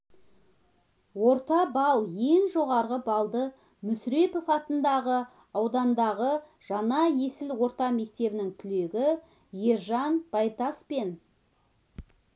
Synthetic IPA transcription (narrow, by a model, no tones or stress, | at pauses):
wo̞ɾt̪ɑbɑlˠje̞ŋʒo̞ʁɑɾʁəbɑlˠd̪ə | mʏsɾe̞pofɑt̪ənd̪ɑʁə | ɑwd̪ɑnd̪ɑʁə | ʒ̥ɑnɑje̞sɪlwo̞ɾt̪ɑme̞k̚t̪e̞bɪnɪŋt̪ʰʏle̞ɡʲɪ | je̞ɾʒɑnb̥ɑjt̪ɑspe̞n